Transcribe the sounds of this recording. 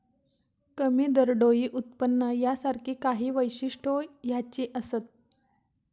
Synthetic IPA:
kəmiːd̪əɾɖojiːʔut̪̚pənːəjasaɾkʰiːkaɦiːʋəjɕiʂʈʰojat͡ɕiːʔəsət̪̚

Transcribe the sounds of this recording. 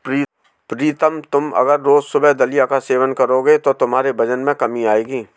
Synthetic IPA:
i | pɾiːt̪əmt̪ʊmɐ̰ɡəɾːoːzsʊbɛɦd̪ɐlijakaseːʋənkɐɾoɡet̪ot̪ʊmɦaːɾebɐd͡ʒənmẽkɐmiaːeːɡiː

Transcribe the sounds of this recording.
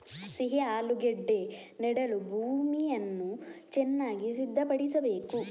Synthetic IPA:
siɦiaːluɡeɖːe̞ː | nɛɽɐlubʱuːmiɐnːut͡ʃɛnːaːɡisid̪ʱːɐpɐɽisɐbe̞ːku

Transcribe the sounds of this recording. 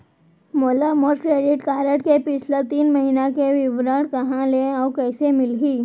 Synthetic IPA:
molamoɾkɾeɽiʈkaɾəʈkepit͡ɕʰlet̪iːnməɦinakeʋiʋɾəɽkəɦãleawkəjsemilɦiː

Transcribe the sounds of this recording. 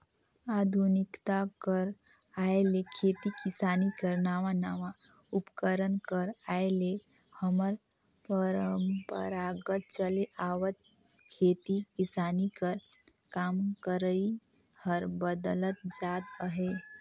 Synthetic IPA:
ad̪ʱunikt̪akəɾ | aelekʰet̪ikisanikəɾnaʋanaʋa | upkəɾənkəɾaele | həməɾ | pəɾəmpə̰ɾaɡət̪̚t͡ʃəleʔawət̪̚ | kʰet̪ikisanikəɾ | kamkəɾəi | həɾbəd̪lət̪̚d͡ʒat̪əɦe

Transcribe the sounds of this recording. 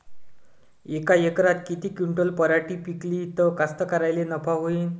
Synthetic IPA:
ekajekɾat̪kit̪iːkuɳʈəlpəɾaʈipikliːt̪əkast̪əkəɾajlenəpaɦoiːn

